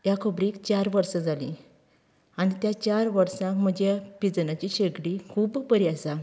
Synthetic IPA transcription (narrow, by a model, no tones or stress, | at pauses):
jakʰəbɾiːkt͡ɕaɾʋəɾsad͡zalḭ | aɽit̪jat͡ɕaɾʋəɾsãm̤əd͡ʑapid͡znat͡ɕiɕeɡɽikʰuːbpəɾiasa